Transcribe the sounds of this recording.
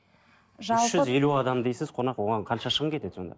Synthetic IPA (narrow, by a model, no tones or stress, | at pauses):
ʒɑʏʒʏze̞luɑd̪ɑmd̪e̞jsɪzqʰo̞nɑqwo̞ʁɑɴqʰɑnʃɑʃəʁəmkʲet̪e̞̥so̞̰nd̪ɑ̰